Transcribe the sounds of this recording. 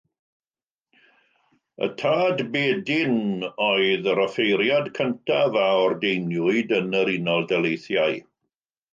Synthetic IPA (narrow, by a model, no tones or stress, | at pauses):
ə̰tʰaːdbeːdɪnɔɨðəɾɔfejɾjadkʰəntʰavaɔrdejnjʊɨdənəɾinɔlˠdɛlejθjaɨ